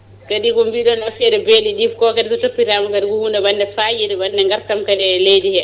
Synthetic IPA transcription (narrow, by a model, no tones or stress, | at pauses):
kaɗikɔmbiɗɔnafɛɾɛbeliɗifkɔkaɗisɔtopːiɾamɔkaɗikɔhuːndɛbandɛfaːjiɾɛbanːdɛŋɡaɾtamkadɛlejdihɛ